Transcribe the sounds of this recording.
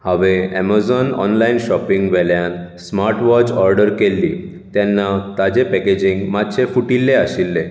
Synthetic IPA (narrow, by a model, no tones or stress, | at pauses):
haʋeɛ̰mazɔnɔ̰nlainɕɔpiŋɡʋɛljansmaɾʈʋɔt͡ɕɔɾɖəɾkelːi | t̪ɛnːat̪ad͡ʑepɛked͡ʑiŋɡmat̪ɕʰefuʈilːeaɕilːe